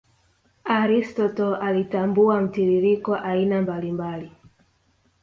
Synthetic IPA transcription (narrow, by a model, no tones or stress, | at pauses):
aɾistɔtɔalitambuam̩tiɾiɾikɔʔainambalimbali